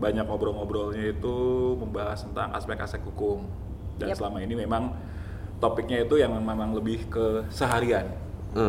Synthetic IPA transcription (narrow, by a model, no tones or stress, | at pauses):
baɲak̚obɾɔŋobɾɔlɲait̪uməmbaɦasənt̪aŋʔa̰spɛka̰sɛk̚hukʊm | dansəlamainimemaŋ | t̪opɪk̚ɲait̪ujaŋmememaŋləbɪhkəsəɦaɾian